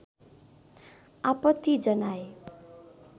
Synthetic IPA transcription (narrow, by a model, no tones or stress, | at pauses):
apʌt̪ːid͡zʌnae